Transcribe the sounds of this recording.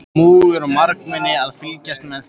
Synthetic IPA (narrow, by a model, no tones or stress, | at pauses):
muːɣɛɾɔmaɾknmɛnːɪaðfɪlcast̪mɛð